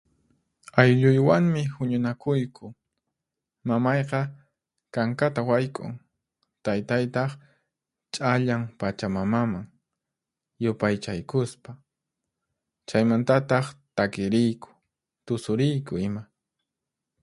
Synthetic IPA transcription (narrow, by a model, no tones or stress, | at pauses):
ajʎʊjwaŋmɪhʊɲʊnakʊjkʰʊ | mamɑjqɑ | kaŋkat̪awajkʼʊ̰ŋ | t̪ajt̪ajt̪ɑχ | t͡ʃʼaʎaŋpat͡ʃamamamaŋ | jʊpajt͡ʃajkʊspa | t͡ʃajmant̪at̪ɑχt̪akɪɾɪjkʊ̥ | t̪ʊsʊɾɪjkʊɪma